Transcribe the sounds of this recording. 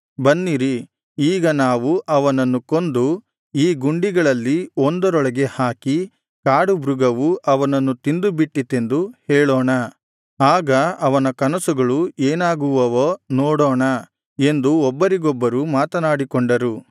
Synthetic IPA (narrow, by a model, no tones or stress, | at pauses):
bɐnːiɾi | iːɡɐnaːʋuʔɐʋɐnɐnːuko̞nd̪u | iːɡuɳɖiɡɐɭɐlːiond̪ɐɾɔɭɐɡe̞haːki | kaːɽubɾuɡɐʋuʔɐʋɐnɐnːut̪ind̪ubiʈːit̪end̪uhɛːɭoːɳɐ | aːɡɐɐʋɐnɐkɐnɐsuɡɐɭueːnaːɡuʋɐʋonɔːɽɔːɳɐ | e̞nd̪uɔbːɐɾiɡɔbːɐɾumaːt̪ɐnaːɽikoɳɖɐɾu